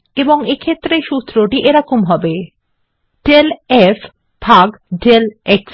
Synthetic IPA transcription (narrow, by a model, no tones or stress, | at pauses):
eboŋekʰet̪ːɾeʃust̪ːɾoʈiʔeɾakomɦɔbe | ɖelef | bʱaɡɖeleks